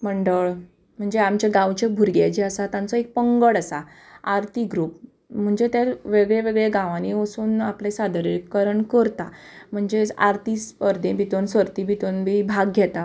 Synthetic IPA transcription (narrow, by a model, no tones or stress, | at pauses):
m̤əɳɖəɭ | m̤əɳd͡zeamt͡ɕaɡãwt͡ɕebʱuɾɡjajt͡ɕeəsat̪jãnt͡sɔek̚pəŋɡəɽasa | aɾt̪iɡɾuːp̚ | m̤əɳd͡zet̪jaɾʋeɡɭeʋeɡɭeɡãʋãniəsuːnaplesad̪əɾikːəɾəɳkəɾt̪am̤əɳd͡zea̰ɾt̪ispəɾd̪ẽbʱit̪onsəɾt̪ibʱit̪onbibʱaɡɡʱɛt̪a